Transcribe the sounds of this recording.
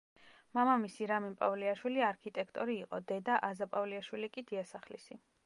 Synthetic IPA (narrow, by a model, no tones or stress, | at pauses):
mamamisiɾaminpʼavliaʃwiliaɾkʰit̪ʼɛkʰt̪ʼɔɾiːqʼɔ̰d̪ɛd̪aʔazapʼavliaʃwilikʼid̪iasaχlḭsi